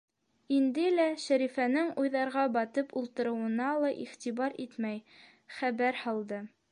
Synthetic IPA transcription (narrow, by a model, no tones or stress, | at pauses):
ind̪ɘlæʃæɾifænɘŋujðɑɾʁɑbɑt̪ɤpulˠt̪ɤ̆ɾɤ̆wɤ̆nɑlˠɑʔiχt̪iβɑɾit̪mæj | χæβæɾhɑlˠd̪ɤ